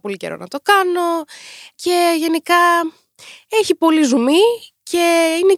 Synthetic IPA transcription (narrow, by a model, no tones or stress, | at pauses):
po̞lice̞̰ɾo̞̰nɐt̪o̞kɐno̞ce̞ʝe̞nikɐ | eçipo̞lizumi | cʰe̞ine